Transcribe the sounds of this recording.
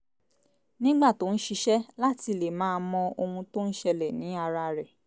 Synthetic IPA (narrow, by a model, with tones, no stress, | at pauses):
nĩ˦ɡ͡ba˦˨to˨˦n̩˦ʃi˧ʃɛ˦la˦ti˧le˨mãː˦nmɔ̃˧o˧hũ˧to˦n̩˦ʃɛ˧lɛ˨nĩ˨˦a˧ɾa˧ɾɛ˨